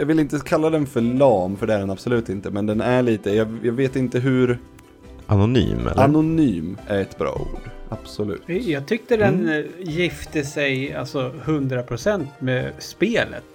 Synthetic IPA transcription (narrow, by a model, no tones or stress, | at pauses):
jɑːɡvɪlɪnt̪əkʰalːad̪ɛnfœɭɑːmfœɖɛæɖɛnab̥sɔlʉ̟ːt̪ɪnt̪əmɛnd̪ɛnæɭiːt̪əjɑːjɑːɡveːt̪ɪnt̪əɦʉ̟ɾ | ʔanʊny̰ːmɛ̰lʔanʊnyːmæɾɛt̪bɾɑ̰ːṵːɖ̪ab̥sɔlʉ̟̰ːt̪jɑːɡ̚t̪ʰʏk̚t̪ədɛnjɪft̪əsɛja̰lsɔhɵnd̪ɾapʰɾʊsɛnt̪mespeːlə̰t̪